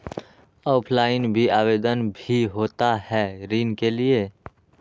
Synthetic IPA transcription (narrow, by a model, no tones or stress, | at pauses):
ɔːpʰlaːɪnbʱiaːʋeːd̪ənbʱiɦoːt̪aɦɛɾiːnkelie